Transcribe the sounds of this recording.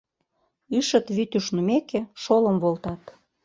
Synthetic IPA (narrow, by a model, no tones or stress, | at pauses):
yʃə̆t̪βyt̪yʃnumekeʃolə̆mβolt̪ɑt̪